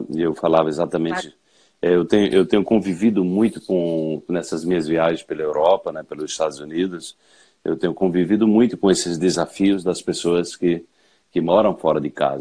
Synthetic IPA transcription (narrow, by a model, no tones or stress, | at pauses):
ewfalavɐezat̪ɐmẽnt͡ʃɪ | ɛewt̪ẽɲʊʔewt̪ẽɲʊkõvivid̪ʊmũj̃t̪ʊkõnɛsɐzmĩɲɐzviaʒẽspelɐewɾɔpɐnɛpelʊzist̪ad̪ʊzunid̪ʊs | ḛwt̪ẽɲʊkõvivid̪ʊmũj̃t̪ʊkõesɪzd̪ezafiʊzd̪ɐspesoɐskɪ | kɪmɔɾɐ̃w̃fɔɾɐd̪ɪka̰zɐ